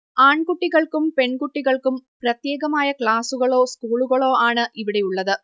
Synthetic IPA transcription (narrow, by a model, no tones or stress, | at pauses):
aːɳkuʈːiɣɐɭkumpe̞ɳkuʈːiɣɐɭkumprɐt̪je̞ːɣɐmaːjɐkɭaːsuɣɐɭoːskuːɭuɣɐɭo̞ːaːɳɨʔiʋiɽejuɭːɐðɨ